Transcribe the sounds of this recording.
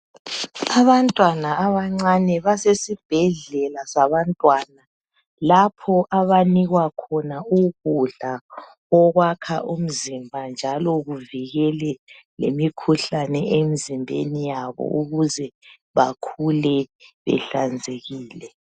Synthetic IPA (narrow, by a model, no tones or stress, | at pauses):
aβantʼwanaːβaŋ͡ǀanɛβasesib̥ʱɛɮɛlasaβantʼwaːna | lapʰɔʔaβaniɣwakʰɔnauɣuɮa | ɔɣwakʰaʔum̩zimbʱand͡ʒʱalɔɣuviɣɛlɛ | lḛmikʰuɬanɛemizimbʱḛnijaβɔ̰uɣuzɛ | βakʰulɛβɛ̰ɬand͡zʱeɣiːlɛ